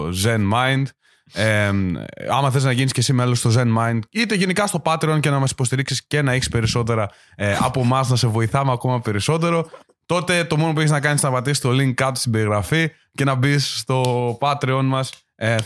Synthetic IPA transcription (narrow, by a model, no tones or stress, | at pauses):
zenmɐjnd̪ | e | ɐmɐθeliznɐʝinisce̞simelost̪o̞ze̞nmɐjnd̪it̪e̞ʝe̞nikɐst̪o̞pɐt̪ɾeo̞nce̞nɐmɐsi̥po̞st̪iɾiksisce̞nɐeçi̥spe̞ɾiso̞t̪̬e̞ɾɐ | eɐ̰po̞mɐznɐse̞vo̞iθɐmeɐko̞mɐpe̞ɾiso̞t̪̬e̞ɾo̞ | t̪o̞t̪e̞t̪o̞monopueçiznɐkɐnisnɐpɐt̪isist̪o̞liŋkːɐt̪ost̪ibe̞ɾiɣɾɐfi | ce̞nɐbisːt̪o̞pɐt̪ɾeo̞nmɐs | e